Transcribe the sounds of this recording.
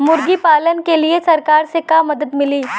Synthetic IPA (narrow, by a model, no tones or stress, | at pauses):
mʊɾɡipaːlənkeliesɐɾkaːɾsekaːmɐd̪əd̪mɪliː